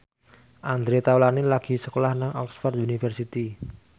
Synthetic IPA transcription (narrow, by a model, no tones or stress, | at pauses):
ʔand̪ɾet̪awlanilaɡ̥i̤səkolahnaŋɔksfɔrd̪unifərsit̪i